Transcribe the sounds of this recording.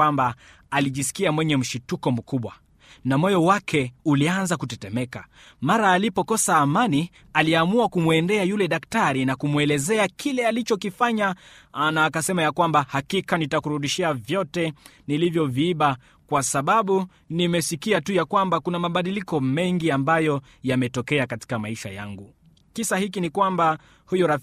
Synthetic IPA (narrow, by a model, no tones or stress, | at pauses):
amba | aliʄisi̥kiamwɛɲɛm̩ʃutukɔm̩kuɓwa | namɔjɔwakʰɛulianzakutɛtɛmɛka̰ | maɾaːlipɔkɔsaːmani | aliamuakumuɛndɛajulɛɗaktaɾinakumuɛlɛzɛakʰilɛalit͡ʃɔkifaɲanaːkasɛmajakwambahakikanitakuɾuɗiʃɛavjɔtɛ | nilivjɔviiɓa | kwasaɓaɓu | nimɛsikiatujakwambakunamaɓaɗilikɔmɛŋɡiambajɔ | jamɛtɔkɛakati̥kamaiʃa̰ja̰ŋɡu | kisahikinikwamba | hujɔɾa